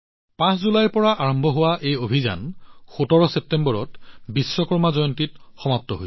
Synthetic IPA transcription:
pãszulajpɔɹaʔaɹɔmbʱɔɦʊwaʔejobʱiza̰nxutɔɹɔsɛp̚tɛmbɔɹɔtbisːɔkɔɹmazɔjɔntitxɔmap̚tɔɦo

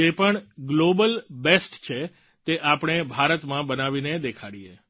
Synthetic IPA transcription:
epəɳɡlobəlbesʈt͡ʃʰe | t̪eʔapɳ̃ebʱaɾət̪mãbənaʋined̪ekʰaɽie

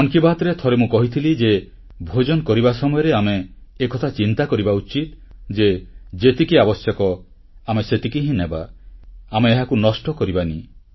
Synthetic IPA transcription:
ɔŋkibaɦt̪ɾet̪ʰɔɾemũkɔɦit̪ʰilid͡ʒe | bʱod͡ʒɔnɔkɔɾibasɔmɔjɔɾeameːkɔt̪ʰat͡ʃint̪akɔɾibaut͡ʃit̪ | d͡ʒed͡ʒet̪ikiabɔsjɔkɔ | ameset̪ikiɦĩneba | ameːɦakunɔsʈɔkɔɾibani

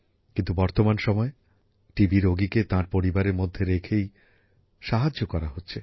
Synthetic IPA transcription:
kĩnt̪ubɔɾt̪omanʃɔmɔe | ʈibiɾoɡiket̪ãɾpoɾibaɾeɾmod̪ʱːeɾekʰej | ʃaɦad͡ʑokɔɾaɦotːɕʰe

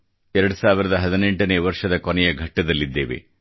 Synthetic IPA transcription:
ɛɾɐɽusaːʋiɾɐd̪ɐɦɐd̪ineɳʈɐneːʋɐɾʂɐd̪ɐkɔnɛjɐɡʱɐʈːɐd̪ɐlːid̪ːe̞ːʋe̞̰

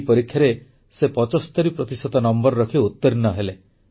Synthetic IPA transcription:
pɔɾikʰːjaɾe | sepɔt͡ʃɔst̪ɔɾipɾɔt̪isɔt̪ɔnɔmbɔɾɾɔkʰiut̪ːɔɾinɔɦele

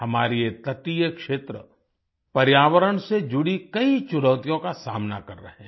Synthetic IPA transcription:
hɐmaːɾiet̪ɐt̪ijəkʃeːt̪ɾə | pɐɾjaːʋəɾəɽ̃sed͡ʒʊɽikɐit͡ʃʊɽəːt̪ijõkasa̰ːmna̰kɐɾːɐ̰ɦɛ̃ː

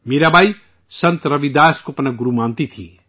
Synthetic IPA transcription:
meɾabʱaj | sʌnt̪ɾʌbid̪aːskopɐnaɡuɾumant̪it̪ʰḭ

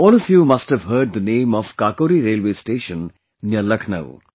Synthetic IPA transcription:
ɔːləfjuːmɐsʈhɛʋɦəːɖ̚d̪ənẽːmɔʋkaːkoːɾiɾeːlʋeːsʈeːʃə̃n | njələkʰnə̰ʋ

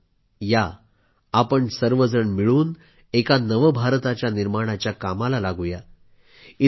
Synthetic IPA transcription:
jaː | pəɳsəɾʋəd͡zəɳmiɭuːn | ekanəʋəbʱaɾt̪at͡ɕjaniɾmaɽ̃at͡ɕjakamalalaɡuja | i

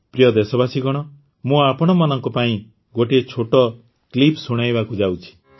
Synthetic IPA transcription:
pɾijɔd̪esɔbasiɡɔɽ̃ɔ | mũapɔɽ̃ɔmanɔŋkɔpaĩ | ɡoʈiet͡ʃʰoʈɔ | klipsuɽ̃ajbakud͡ʒawt͡ʃʰi̥

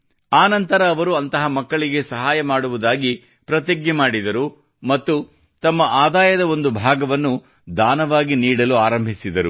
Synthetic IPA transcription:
aːnɐnt̪ɐɾɐːʋɐɾuɐnt̪ɐɦɐmɐkːɐɭiɡe̞sɐɦaːjɐmaːɽuʋud̪aːɡi | pɾɐt̪eɡjɐmaːɽid̪ɐɾu | mɐt̪ːu | t̪ɐmːɐʔaːd̪aːjɐd̪ɐo̞nd̪ubʱaːɡɐʋɐnːu | d̪aːnɐʋaːɡiniːɽɐluaːɾɐmbʱisid̪ɐɾu

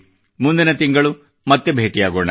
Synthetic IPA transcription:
mund̪inɐt̪iŋɡɐɭu | mɐt̪ːebʱeːʈijaːɡoːɳɐ

